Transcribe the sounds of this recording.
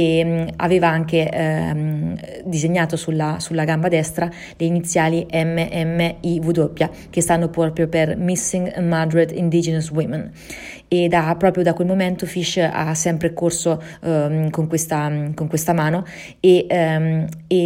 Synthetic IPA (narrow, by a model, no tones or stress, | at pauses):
ea̰veːvaaŋke | d̪izeɲːaːt̪osulːasulːaɡambad̪ɛst̪ɾa | leinit̪sːjaːliʔɛmːeʔɛmːeivud̪opːja | kest̪anːopɾɔpɾjopermisːiŋɡmad̪ɾet̪ḭnd̪id͡ʒɛnaswimen | ed̪apːɾɔːpɾjod̪akwelmomɛnt̪ofiʃːa̰sːɛmpɾekorso | koŋkwest̪akoŋkwest̪amaːno | e | e